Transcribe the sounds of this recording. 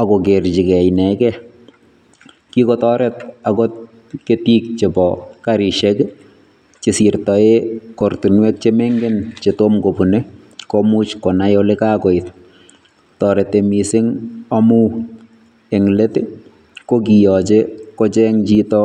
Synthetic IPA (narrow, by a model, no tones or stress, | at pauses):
akɔkert͡ʃikɛjnɛkɛ | kikɔtɔɾɛtakɔt | ketik̚t͡ʃebɔkaɾiʃɛk | t͡ʃɪsirtɔekortinwɛk̚t͡ʃemeŋɡent͡ʃetomkopune | komut͡ʃkɔnajolekaːkɔɪt | tɔːɾɛtemisɪŋamuː | eŋlete | kokijɔt͡ʃekot͡ʃɛŋt͡ʃitɔ